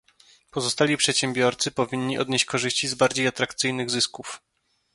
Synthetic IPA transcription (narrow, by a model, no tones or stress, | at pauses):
pɔzɔst̪alʲipʂɛt̪ɕɛmbʲjɔɾt̪sɘpɔvʲiɲːiʔɔ̰d̪ɲeɕt͡ɕkɔʐɘɕt͡ɕizbaɾd͡ʑejat̪ɾakt̪sɘjnɘɣzɘskuf